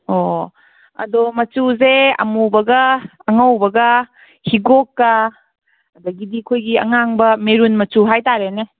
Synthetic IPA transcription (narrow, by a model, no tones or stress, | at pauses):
o | ɐ̰domɐt͡ʃuzeɐ̰mubɐɡɐːŋɐwbɐɡɐ | hiɡokːɐ | ɐd̪ɐɡidikʰojɡiɐ̰ŋaŋbɐmeɾunmɐt͡ʃuɦajtaɾene